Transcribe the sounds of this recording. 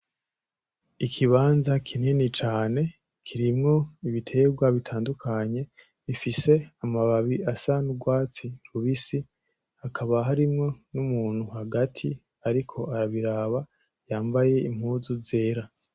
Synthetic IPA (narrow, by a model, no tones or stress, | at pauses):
ikʰiβaːnzakʰininit͡ʃaːne̞ | kʰiɾimŋo̞iβitʰe̞ɡwaβitʰaːndukʰaɲe̞ | βifise̞amaβaβiasanuɡwaːt͡siɾuβisi | hakʰaβaɦaɾimŋo̞numuːn̥huhaɡatʰi | aɾikʰo̞ʔaɾaβiɾaβa | jaːmbaje̞im̥huːzuvzeːɾa